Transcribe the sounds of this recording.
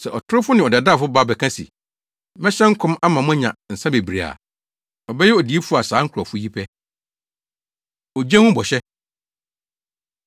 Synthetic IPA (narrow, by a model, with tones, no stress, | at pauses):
sɛ˨ʔɔ˨tʰʊ˦ɾɪ˦fʊ˦nɪ̃˨ɔ˨da˨da˦˨fʊ˦ba˦˨bɛ˨kʰã˦sḭ˨ | mɛ̃˦ɕɛ̃˦ŋ̩˦kʰʊ̃˦ma˦mã˨mʊ̃˦ɛ˦ɲã̰˨n̩˨sã˦be˨bɾi˨a̰˨ | ɔ˨bɛ˦jɛ˦ɔ˨di˨˦e˦fu˦a˨saː˨˦ŋ̩˦kʰɾɔ˨fʊ˦ji˦pʰɛ˦ | ɔ˨d͡ʑɛ̃˦hʊ̃˦bɔ˨ɕɛ˦